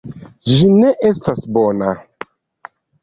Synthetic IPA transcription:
ʒineʔestasbona

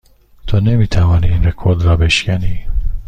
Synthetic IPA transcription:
t̪ʰoːnɛmit̪ʰawaːnilɛkʰɔd̪raːbeʃkani

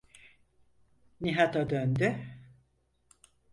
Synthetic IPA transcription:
niɦat̪ad̪ønd̪y

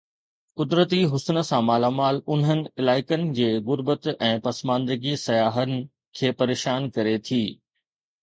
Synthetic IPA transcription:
kʊd̪ɾət̪iɦʊsnə̆sãmaːlaːmaːlʊn̤ɦənɪ̆ɪlaːɪkənɪ̆d͡ʑeːɣʊɾbət̪ɛ̃ːpɐsmãːnd̪əɡisɐjaːɦənɪ̆ | kʰeːpɐɾeːʃaːnkɐɾet̪ʰiː

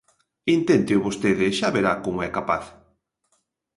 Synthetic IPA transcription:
int̪ent̪ɪʊβost̪eðɪʃaβeɾakoŋɛkapa̰θ

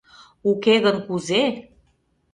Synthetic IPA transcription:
ukeɣənkuze

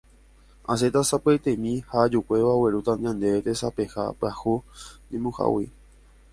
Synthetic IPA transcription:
as̬e̞t̪asapajt̪ẽmĩhad͡ʒukʷe̞ʋaweɾut̪ãnd̪ãnd̪eet̪esapeha̰pahuɲẽmũha̰wi

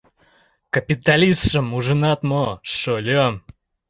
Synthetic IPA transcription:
kɐpʲit̪alʲisʂəmuʐɨnat̪moʂɔlʲɔm

